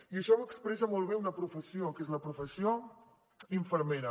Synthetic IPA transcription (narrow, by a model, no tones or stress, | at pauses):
iəʃɔβakspɾɛs̬əmɔlˠβ̞eunəpɾufəsiokezləpɾufəsio | iɱfəɾmeɾə